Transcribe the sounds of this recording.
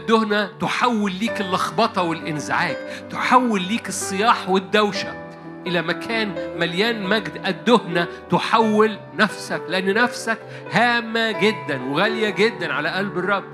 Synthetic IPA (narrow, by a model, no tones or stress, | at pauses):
ʔd̪ːohnæt̪oħawːelːiːkelːɑxbɑt̪ˤɑwelʔɪnzaʕaːkt̪oħawːelːiːkɨsˤːɨjɑːħwed̪ːæwʃæ̰k̚ | ʔɪlæmækʰæːnmæljæːnmæɡd̪ʔæd̪ːohnæ | t̪oħawːel | næfsækleʔanːnæfsæk | hæːmːæɡed̪ːænweɣæljæɡed̪ːænʕalæʔælberˤːɑbː